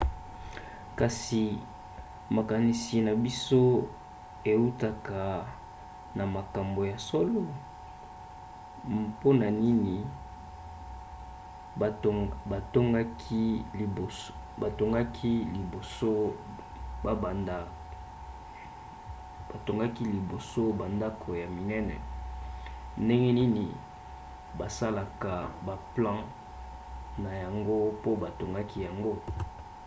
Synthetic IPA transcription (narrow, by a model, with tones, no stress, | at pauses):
ka˨si˨ | ma˨ka˨ni˨si˨na˨bi˦so˦ | e˨u˦ta˦ka˨ | na˨ma˨ka˨mbo˨ja˨so˦lo˦ | po˦na˨ni˦ni˨ | ba˨to˦ŋɡa˦kʰi˦li˨o˨ | ba˨to˦ŋɡa˦kʰi˦li˨bo˨so˦ | ba˨ba˨nda˨ | b̥a˨to˨ŋɡa˦ki˦li˨bo˨so˦ba˨nda˦kʰo˨ja˨mi˨nɛ˦nɛ̰˨ | nde˦ŋɡɛ˦ni˦ni˨ | ba˨sa˦la˨ka˨ba˨plɑ̃˦ | na˨ja˨ŋɡo˦po˦ba˨to˨ŋɡa˦ki˦ja˨ŋɡo˦